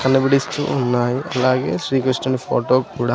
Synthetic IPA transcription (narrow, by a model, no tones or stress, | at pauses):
kɐnːɐbiɽist̪ṵunːaːjiʔɐlaːɡe̞ːsɾiːkɾɐsʈɐnpʰoːʈoːkuːɽaː